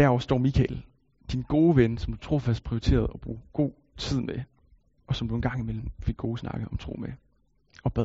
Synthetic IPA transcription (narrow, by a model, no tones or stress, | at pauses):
d̥æɐ̰ɒʊsd̥ɒ̰ːmikʰæɪl | d̥inɡ̥o̝ːʋenəsɒ̽md̥ut͡sʰʁo̝̰fæsd̥̚pʰʁioit͡sʰe̝̰ːɐð̞̩ˠɒ̽b̥ʁṵːɡ̥o̝̰ː | t͡sʰið̞̰ˠme | ʔɒ̽sɒ̽md̥uenɡ̥ɑ̈ŋ̰imel̰m̩fe̝ɡ̥̚ɡ̥o̝ːsnɑ̈ɡ̥əɒ̽mt͡sʰʁo̝̰ːme | ɒ̽b̥ɛ